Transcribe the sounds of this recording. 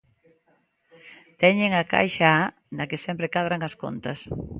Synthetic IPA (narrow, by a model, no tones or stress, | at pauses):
t̪ɛɲeŋɐka̰jʃaa | nɐkɪsɛmpɾɪkaðɾaŋɐsko̰nt̪ɐs